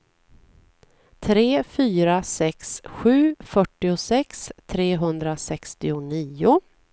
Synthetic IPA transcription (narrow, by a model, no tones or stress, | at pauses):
t̪ʰɾeːfyːɾasɛksɧʉ̟ːfœʈːɪʊsɛkst̪ʰɾeːɦɵnd̪ɾasɛkst̪ɪʊniːʊ